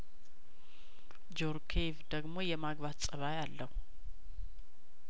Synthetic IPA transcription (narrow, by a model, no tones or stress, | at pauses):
d͡ʒoɾkʰevd̪əɡmo̞jɛmaɡbat̪sʼəβajalːəhu